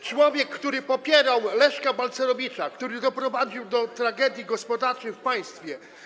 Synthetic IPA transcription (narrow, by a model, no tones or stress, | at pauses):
t͡ʂwɔvʲjɛkːt̪uɾɘpɔpʲjɛɾawlɛʂkabalt̪sɛɾɔvʲit͡ʂakt̪uɾɘd̪ɔpɾɔvad͡ʑiwd̪ɔt̪ɾaɡɛd̪ʲjiɡɔspɔd̪aɾt͡ʂɛjfpaj̃st̪fʲjɛ